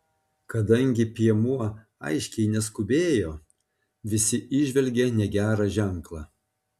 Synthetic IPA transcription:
kɐd̪ɐŋʲɡʲɪpʲiɛmuɔ | ɐ̰ɪʃʲkʲɛɪnʲɛskʊbʲeːjoː | ʋʲɪsʲɪʔɪʒʲʋʲɛlʲɡʲenʲɛɡʲæːɾɑʒʲæŋklˠɑː

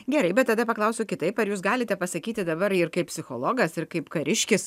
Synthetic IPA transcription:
ɡʲɛɾɐɪbʲɛt̪̚t̪ɐd̪ɐpɐklˠɐʊsʲʊkʲɪt̪ɐɪpɐɾjuːs̬ɡɑːlʲɪt̪ʲɛpɐsɐkʲiːt̪ʲɪd̪ɐbɐɾɪrkɐɪp̚ʲsʲɪxoːlˠoːɡɐsɪɾkɐɪpkɐɾʲɪʃʲkʲɪs

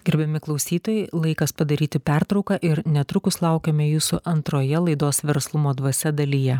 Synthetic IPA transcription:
ɡʲɪɾʲbʲɛmʲɪklˠɒʊsʲiːt̪oːjɛɪlˠɐɪkɐspɐd̪ɐɾʲiːt̪ʲɪpʲæɾt̪ɾɒʊkɑʔɪɾnʲɛt̪ɾʊkʊslˠɑˑʊkʲɛmʲɛjuːsʊʔɐnt̪ɾoːjɛlˠɐɪd̪oːsʋʲɛɾslˠʊmoːd̪ʋɐsʲɛd̪ɐlʲijɛ

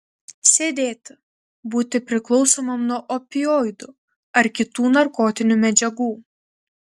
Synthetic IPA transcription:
sʲeːd̪ʲeːt̪ʲ | buːt̪ʲɪpʲɾʲɪklˠɒʊsoːmɐmnuɔʔɔpʲɪjɔɪd̪ʊ | ɐɾkʲɪt̪uːnɐɾkoːt̪ʲɪnʲumʲɛd͡ʒʲɛɡuː

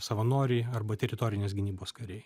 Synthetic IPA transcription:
sɐʋɐnoːɾʲiːɐɾbɐt̪ʲɛɾʲɪt̪oːɾʲɪnʲeːs̬ɡʲɪnʲiːboːskɐɾʲɛɪ

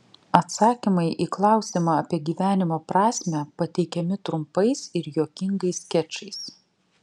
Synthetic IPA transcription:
ɐt̪sɑːkʲimɐɪʔiːklˠɑˑʊsʲimɑɐpʲiɛɡʲiːʋʲæːnʲɪmoːpɾɑːsʲmʲæpɐt̪ʲɛɪkʲɛmʲɪt̪ɾʊmpɐɪsɪɾjoːkʲɪŋɡɐɪskʲɛt͡ʃʲɐɪs

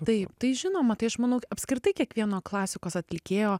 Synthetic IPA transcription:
t̪ɐɪpt̪ɐɪʒʲɪnoːmɐt̪ɐɪɐʃmɐnɐʊɐpʲskɾʲɪt̪ɐɪkʲiɛkʋʲiɛnoːklˠɑːsʲɪkoːsɐt̪ʲlʲɪkʲeːjoː

